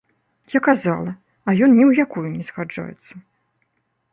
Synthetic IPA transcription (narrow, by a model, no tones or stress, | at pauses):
jakaza̰lˠɐ | ɐjɔnnʲɛwjakujunʲɛsxad͡ʐa̰jɛ̰t̪sːɐ